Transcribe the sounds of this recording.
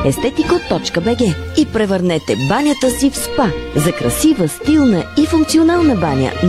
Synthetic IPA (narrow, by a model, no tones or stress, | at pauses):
ɛst̪ɛt̪ikot̪ːɔt͡ʃkəbɛɡɛipɾɛvəɾnɛt̪ɛbanʲjət̪əsifspazɐkɾɐ̰sivəst̪ilˠnəifuŋk̪̚sionalˠnəbanʲə̰